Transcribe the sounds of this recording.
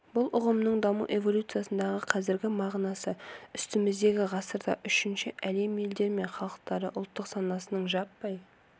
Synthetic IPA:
bʊlˠʊʁəmnəɴd̪ɑmuʔe̞vo̞lʲut̪sɨjasənd̪ɑʁəqʰɑzɪɾɡʲɪmɑʁnɑsəʏst̪ɪmɪzd̪e̞ɡʲɪʁɑsəɾd̪ɑ̰ʔʏʃɪnʃɪʔæle̞mje̞ld̪e̞ɾme̞ɴχɑlˠəq̚t̪ɑɾəʔʊlˠt̪ːəqsɑnɑsənəɴʒɑpːɑj

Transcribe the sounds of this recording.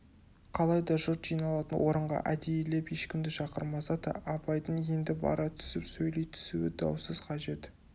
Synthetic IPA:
qʰɑlˠɑjd̪ɑʒʊɾt̪ʒ̥ijnɑlˠɑt̪ənwʔo̞ɾəɴʁɑ̰ʔæd̪ejele̞pje̞ʃkʲɪmd̪ɪʃɑqəɾmɑsɑt̪ə̰ʔɑpɑjd̪əɴje̞nd̪ɪbɑ̰ɾʔɑt̪ʰʏ̥sɪpsɵjlejt̪ʰʏ̥suɪd̪ɑ̰wsəzqʰɑʒe̞t̪

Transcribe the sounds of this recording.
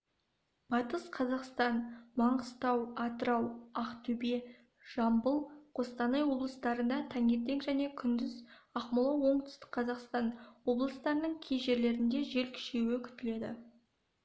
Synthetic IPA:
b̥ɑt̪əsqʰɑzɑqst̪ɑnmɑɴəst̪ɑwɑt̪əɾɑwɑqt̪ʰɵbe | ʒ̥ɑmbəlˠqʰo̞st̪ɑnɑjwo̞blˠəst̪ɑɾənd̪ɑt̪ʰæŋe̞t̪ːe̞ŋʒæne̞kʲʰʏnd̪ɪzɑχmʊlˠɑwo̞ɴt̪ʰʏ̥st̪ɪ̥k̚qʰɑzɑqst̪ɑnwo̞blˠəst̪ɑɾənəɴkʲʰejʒe̞ɾle̞ɾɪnd̪e̞ʒe̞lkʲʰʏ̥ʃewɪkʲʰʏ̥t̪ɪle̞d̪ɪ̰

